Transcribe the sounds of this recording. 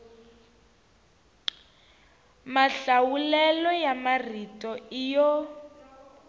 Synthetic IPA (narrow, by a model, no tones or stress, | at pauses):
maɬawulɛlɔjamaritʼɔijɔ